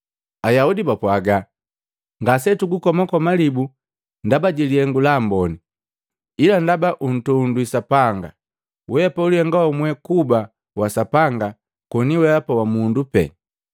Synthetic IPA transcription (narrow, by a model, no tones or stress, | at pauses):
ajaudibapwaɡa | ŋɡasɛtuɡukɔmakɔmalibu | ndabaɟiliɛŋɡulambɔni | ilandabaʔun̩tunduisapaŋɡa | wɛpaulihɛŋɡaɔmwɛkuba | wasapaŋɡa | kɔniwɛapawamundupɛ̰